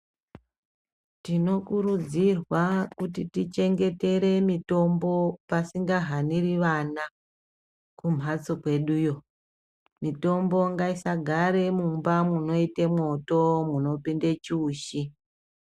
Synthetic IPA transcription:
tino̞kuɾud͡zirwakutitit͡ʃe̞ŋɡe̞te̞ɾe̞mito̞mbo̞pasiŋɡaɦaniriʋana | kum̤ɦat͡so̞kwe̞ɗujo̞ | mito̞mbo̞ŋɡaisaɡʱaɾe̞mumbamuno̞itemwo̞to̞muno̞pindet͡ʃuːʃi

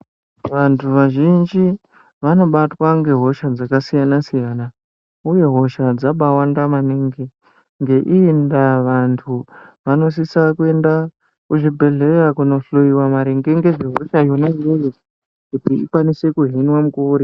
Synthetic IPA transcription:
ʋantʰuʋaʒind͡ʒi | ʋano̞ɓatwaŋɡe̞ɦo̞ʃad͡zakasijanasijana | uje̞ɦo̞ʃad͡zaɓawandamaneŋɡe | ŋɡe̞ʔiːndaʋantʰuʋano̞s̬isakue̞nda | kuʐibʱe̞ɮe̞rakuno̞ɬujiwamaɾeŋɡe̞ŋɡe̞ʐeɦo̞ʃajo̞najejo | kutiikwanise̞kuɦinwamukuːɾi

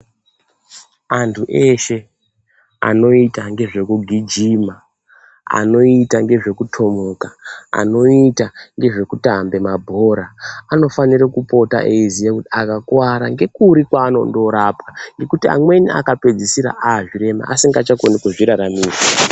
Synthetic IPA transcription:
antʰuʔe̞ʃe̞ | a̰no̞itaŋɡe̞ʐe̞kuɡʱid͡ʒima | a̰no̞itaŋɡe̞ʐe̞kutʰo̞mokaa̰no̞itaŋɡe̞ʐe̞kutambe̞mabʱo̞ɾaːno̞faniɾekupo̞ta̰ʔeizijakutiakakwaɾaŋɡe̞kuɾikwaːno̰ndo̞ɾapaŋɡe̞kutia̰mwe̞niʔa̰kape̞d͡zisiɾa̰ʔaːʐiɾe̞ma̰ʔasiŋɡat͡ʃakonikuʐiɾaɾamiːza

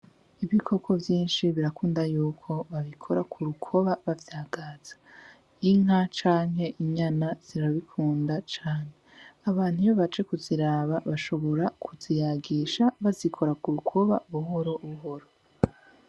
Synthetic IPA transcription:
iβikʰo̞kʰo̞vjiːnʃiβiɾakuːndajuːkʰo̞βaβikʰo̞ɾakʰuɾukʰo̞βaβavjaːɡaːz̥ḁ | iŋ̥ɦat͡ʃaːŋɦe̞ʔiɲanaz̥iɾaβikʰuːndat͡ʃaːne̞aβaːn̥hujoβat͡ʃekuziɾaːβaβaʃo̞βo̞ɾakʰuzijaɡiʃaβazikʰo̞ɾakuɾukʰo̞βa̰βuɦo̞ɾo̞βuɦo̞ɾo

